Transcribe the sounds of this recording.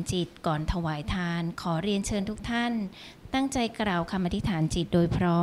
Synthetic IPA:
nt͡ɕi˨˩t̪̚kɔː˨˩nt̪ʰa˧waː˩˦jt̪ʰaː˧nkʰɔː˩˦ɾi˧ənt͡ɕʰɤː˧nt̪ʰuː˦˥k̚t̪ʰa˥˩n | t̪a˥˩ŋt͡ɕa˧jkɾaː˨˩wkʰa˧mʔa˧t̪i˦˥t̪ʰaː˩˦nt͡ɕi˨˩t̪̚doː˧jpʰɾɔː˦˥

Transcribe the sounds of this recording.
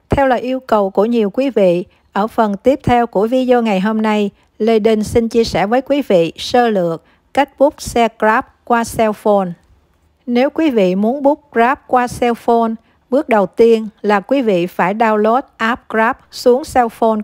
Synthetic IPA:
t̪ʰɛ˧wlaəː˨˩ʔi˧əwkə˨˩wku˧˩əɲi˨˩əwkwi˨˦vḭ˧˨ | ʔəː˧˩fə˨˩nt̪i˦˥əp̚t̪ʰɛ˧wku˧˩əvi˨˦zo˧ŋa˨˩jɦo˧mna˧j | le˧ɗi˧nsi˧nt͡ɕi˧əsɛ˧˩vəː˨˦jkwi˨˦vḭ˧˨səː˧lɨ̰˨ək̚ | ka˦˥jk̚ɓʊ˦˥k͡p̚sɛ˧kzaː˦˥p̚kwaː˧sɛ˧wfo˧n | ne˨˦wkwi˨˦vḭ˧˨mu˨˦ənɓu˦˥k͡p̚kzaː˦˥p̚kwaː˧sɛ˧wfo˧n | ɓɨ˦˥ək̚ɗə˨˩wt̪i˧ənlaː˨˩kwi˨˦vḭ˧˨faː˧˩jɗaː˧wlo˦˥t̚ʔaː˦˥p̚kra˦˥p̚su˨˦əŋsɛ˧wfo˧n

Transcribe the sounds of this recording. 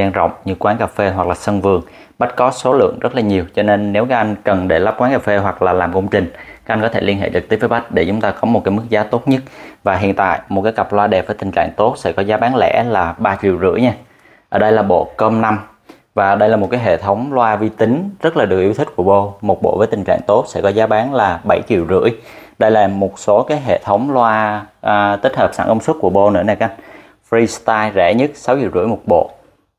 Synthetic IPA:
aː˧nzə̰˧˨wŋ͡mɲɨ˧kwaː˨˦nkaː˨˩fe˧ɦwa˨˩k̚laː˨˩sə˧nvɨ˨˩əŋ | ɓa˦˥t̚kɔ˨˦so˨˦lɨ̰˧˨əŋzə˦˥t̚laː˨˩ɲi˨˩əwt͡ɕɔ˧ne˧nːe˨˦wkaː˨˦˥ʔa˧jŋ̟kə˨˩nɗe˧˩la˦˥p̚kwaː˨˦nkaː˨˩fe˧ɦwa˨˩k̚laː˨˩laː˨˩mkə˧wŋ͡mt͡ɕï˨˩ŋ̟a˦kʔa˧jŋkɔ˨˦t̪ʰe˧˩li˧ənɦḛ˧˨t͡ɕɨ˨˩t̪i˦˥vəː˨˦ɓa˦˥k̟̚ɗe˧˩t͡ɕʊ˨˦ŋ͡mt̪aː˧kɔ˨˦mo˨˩t̚kaː˨˦jmɨ˦˥k̚zaː˨˦t̪o˦˥t̚ɲə˦˥t̚vaː˨˩ɦḭ˧˨ənt̪a̰ː˧˨jmo˨˩t̚kaː˨˦jɣa˨˩p̚lwaː˧ɗɛ˨˩p̚vəː˨˦jt̪ï˨˩ŋ̟t͡ɕa̰ː˧˨ŋt̪o˦˥t̚sɛ̰˧˥˩kɔ˨˦zaː˨˦ɓaː˨˦ŋlɛ̰˧˥laː˨˩ɓaː˧t͡ɕḭ˧˨wzɨ̰˧˥əjɲaː˧ | ʔəː˧˩ɗə˧jlaː˨˩ɓo̰˧˨kə˧mna˧m | vaː˨˩ɗə˧jlaː˨˩mo˨˩t̚kaː˨˦jɦḛ˧˨t̪ʰə˨˦wŋ͡mlwaː˧vi˧t̪ï˨˦ŋ̟zə˦˥t̚laː˨˩ɗɨ˨˩ək̚ʔwt̪ʰi˦˥k̟̚ku˧˩əɓo˧mo˨˩t̚ɓo̰˧˨vəː˨˦jt̪ï˨˩ŋ̟t͡ɕa̰ː˧˨ŋt̪o˦˥t̚sɛ̰˧˥kɔ˨˦zaː˨˦ɓaː˨˦ŋlaː˨˩ɓə˧˩jt͡ɕḭ˧˨əwzɨ̰˧˥əjɗə˧jlaː˨˩mo˨˩t̚so˨˦kaː˨˦jɦḛ˧˨t̪ʰə˨˦wŋ͡mlwaː˧ | t̪i˦˥t̟̚həː˨˩p̚sa̰ː˧˩ŋkə˧wŋ͡mswə˦˥t̚ku˧˩əɓo˧nɨ̰˧˥əna˨˩kːn | fɾi˧st̪aː˧jzɛ̰˧˩˥ɲə˦˥t̚sa˨˦wt͡ɕḭ˧˨wzɨ̰˧˥jmo˨˩t̚ɓo̰˧˨

